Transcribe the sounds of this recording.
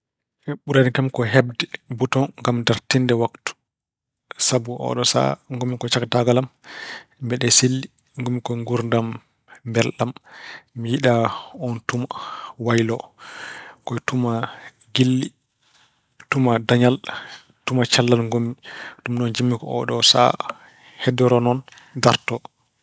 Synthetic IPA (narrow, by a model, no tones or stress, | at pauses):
ɛɓuɾadikamkɔɦɛbdɛbutɔnŋɡamdaɾtindɛwaktu̥ | sabuʔɔ̰ɗɔsa̰ŋɡomːikɔt͡ʃaktaɡalam | mbɛɗɛselːi | ŋɡomːikɔŋɡuɾndamː | bɛlɗamːijiɗaɔntumawajlɔ | kɔjtuma | ɡilːi | tumadaɲal | tumat͡ʃalːalŋɡomitumɗɔnd͡ʒimːikɔ̰ɔ̰ɗɔsa̰ | hɛdɛɾɔnɔn | daɾtɔ